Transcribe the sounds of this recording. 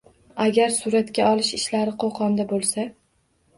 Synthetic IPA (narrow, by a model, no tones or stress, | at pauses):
aɡʲaɾsʊɾat̪kʲaɒlɪʃɪʃlaɾɪqʰoqʰɒnd̪abolˠsa